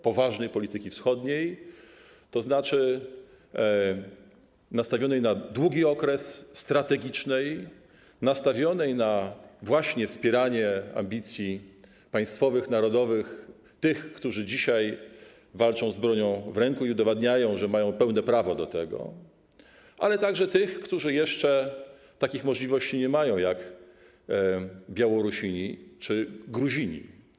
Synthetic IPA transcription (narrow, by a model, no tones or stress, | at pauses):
pɔvaʐnɛjpɔlʲit̪ɘkʲifsxɔd̪ɲej | t̪ɔznat͡ʂɘ | nast̪avʲjɔnɛjnad̪wuɡʲiɔkɾɛsːt̪ɾat̪ɛɡʲit͡ʂnɛj | nast̪avʲjɔnɛjnavwaɕɲɛfspʲjɛɾaɲɛa̰mbʲit̪sʲji | paj̃st̪fɔvɘxnaɾɔd̪ɔvɘx | t̪ɘxkt̪uʐɘd͡ʑiɕaj | valt͡ʂɔ̃w̃zbɾɔɲɔ̃w̃vɾɛŋkuiud̪ɔvad̪ɲajɔ̃w̃ʐɛmajɔ̃w̃pɛwnɛpɾavɔd̪ɔt̪ɛɡɔ̰ | ʔa̰lɛt̪aɡʐɛt̪ɘxkt̪uʐɘjɛʂt͡ʂɛ | t̪akʲixmɔʐlʲivɔɕt͡ɕiɲɛmajɔ̃w̃jak | bʲjawɔɾuɕiɲit͡ʂɘɡɾuʑiɲḭ